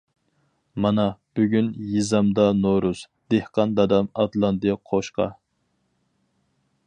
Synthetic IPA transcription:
mɑnɑb̥yɡʲynjizɑmd̪ɑnoɾuz̥ | d̪̥ehqɑnd̪ɑd̪ɑmɑt̪lˠɑnd̪ɨqʰoʃqɑ̰

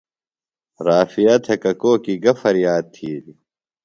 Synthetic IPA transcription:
ɾaːfijat̪ʰekɐkoːkiɡɐfɐɾjaːd̪̚t̪ʰiːɾi

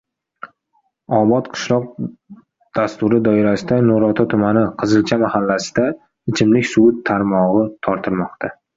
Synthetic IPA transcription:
ɒbɒt̪qʰɨ̥ʃlˠɒq̚ | d̪̥ast̪ʊɾɪd̪ɒɪɾasɪd̪anʊɾɒt̪ʰɒt̪ʰʊmanɪqʰɨzɨlt͡ʃʰamahalːasɪ̥d̪a | ɪt͡ʃʰɪmlɪkʲsʊʊt̪ʰːaɾmɒʁɨt̪ʰɒɾt̪ʰɪɾmɒqt̪ʰa

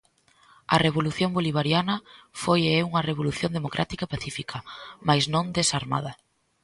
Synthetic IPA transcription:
ɐreβ̞oluθjõŋboliβ̞aɾjanɐfojɛuŋɐreβ̞oluθjõnd̪emokɾʔa̰t̪ikaepaθifikʰɐmajznõnd̪esaɾma̰ðɐ

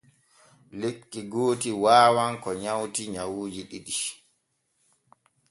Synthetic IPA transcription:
lekʼːiɡoːtiwaːwaŋkɔɲawtiɲawuːd͡ʒiɗiɗi

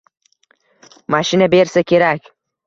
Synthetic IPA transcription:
maʃɪnabeɾsakʲʰe̞ɾakʲ

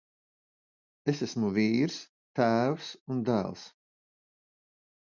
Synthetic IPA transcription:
esæsmuviːɾs | t̪æːwsund̪æ̰ːlˠs

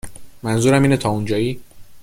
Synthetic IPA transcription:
mænzuːɾæmiːnet̪ʰɒːund͡ʒɒːjiː

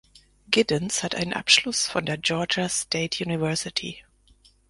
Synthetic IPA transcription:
ɡ̥ɪdə̃nshatʔa̰ɪnənʔa̰pʃlʊsfɔ̃ndeːɐd͡ʒɔːd͡ʒəstʰeɪtʰjuːnɪvɜɐsɪtʰḭ

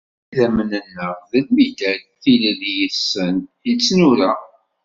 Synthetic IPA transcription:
ðæmənənːəʁðəlmid̪æθiləðjəsːənət͡sːnʊɾæ

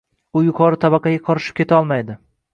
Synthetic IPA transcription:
ʊjʊqʰɒɾɪt̪ʰabɑqʰɑɡʲaqʰɒɾɪʃɪp̚kʲʰe̞t̪ʰaɒlˠmajd̪ɪ

